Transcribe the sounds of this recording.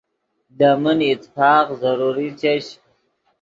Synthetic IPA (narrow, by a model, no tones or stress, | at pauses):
d̪amənit̪ːfɑːqzaɾuɾit͡ɕeɕ